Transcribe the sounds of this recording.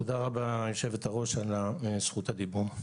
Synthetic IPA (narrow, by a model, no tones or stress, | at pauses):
tod̪aʁabajoʃevet̪aʁo̞ʃalasχut̪ad̪ibum